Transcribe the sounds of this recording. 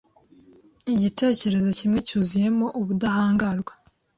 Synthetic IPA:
iɟitʰe̞ːce̞ɾe̞zo̞cimŋecuːzije̞mo̞ʔuβudahaːŋɡaɾɡwa

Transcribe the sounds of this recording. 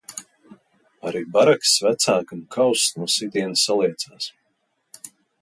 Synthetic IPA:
aɾibaɾaksvæt̪saːkamkʰawsnuɔsid̪iɛnsːalˠiɛt̪saːs

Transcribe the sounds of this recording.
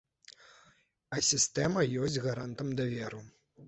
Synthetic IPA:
ɐsʲist̪ɛmɐjɔsʲd͡zʲɣaɾant̪ɐmd̪ɐvʲɛɾu

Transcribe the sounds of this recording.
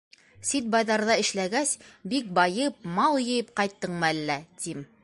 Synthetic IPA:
sit̪̚bɑjðɑɾðɑɘ̆ʃlæɡæsbik̚bɑjɤp̚mɑlˠjɤ̆jɤp̚qɑjt̪ːɤɴmɤælːæt̪im

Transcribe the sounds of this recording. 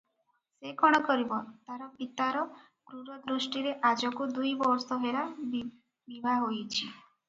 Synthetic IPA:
sekɔɽ̃ɔkɔɾibɔt̪aɾɔpit̪aɾɔ | ɡ̥ɾuɾɔd̪ɾusʈiɾeʔad͡ʒɔkud̪ujbɔɾsɔɦela | bibʱaɦojt͡ʃʰi

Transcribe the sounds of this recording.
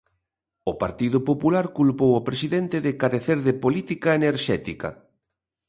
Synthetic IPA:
ʊpa̰ɾt̪iðʊpopulaɾkulpowopɾesiðɛnt̪ɪðɪkaɾeθeɾðɪpolit̪ikaeneɾʃɛt̪ikɐ̰

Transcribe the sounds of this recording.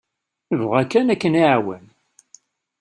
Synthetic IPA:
əvʁækːænækːəniʕwə̰n

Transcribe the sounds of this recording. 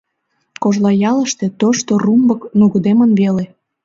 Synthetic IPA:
koʒlɑjɑləʃt̪ĕt̪oʃt̪orumbɤknuɣəd̪emənβele

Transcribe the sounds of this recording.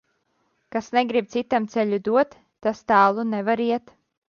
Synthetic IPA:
kasneɡɾib̚t̪sit̪amt̪sɛʎʲud̪uɔt̪ː | ast̪aːlˠunevaɾiɛt̪

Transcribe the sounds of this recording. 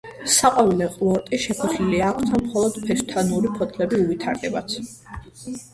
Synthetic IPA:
saqʼwavilɛqʼlˠɔɾt̪ʼiʃɛpʰɔχliliaːkʰst̪ʰanmχɔlˠɔd̪̥pʰɛst̪ʰanuɾipʰɔt̪ʰlɛbiuvit̪ʰaɾd̪ɛba̰t̪sʰ

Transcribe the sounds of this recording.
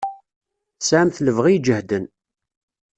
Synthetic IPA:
sʕmθləvʁid͡ʒəhd̪ən

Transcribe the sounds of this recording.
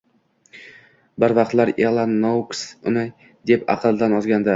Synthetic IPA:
bɪɾvɑqt̪laɾelˠanːowksʊnɪ | d̪e̞pɑ̰qʰɨlˠd̪anɒzɡʲand̪ɪ

